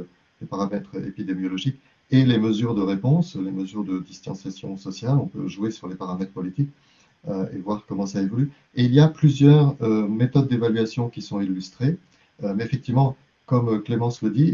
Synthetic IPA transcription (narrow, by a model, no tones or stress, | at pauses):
lepaʁamɛt̪χḛpid̪emjɔlɔʒik | eleməzyʁd̪əʁepɔ̃sleməzyʁd̪əd̪ist̪ɑ̃sjasjɔ̃sɔsjalɔ̃pø̰ʒuesyʁlepaʁamɛt̪χpɔlit̪ik | øḛvwaʁkɔmɑ̃saevɔly | eilijaplyzjœʁømet̪ɔd̪̚ːevalɥasjɔ̃kʲisɔ̃ilːyst̪χe | ømɛfɛk̚t̪ivmɑ̃ | kɔmklemɑ̃sləd̪i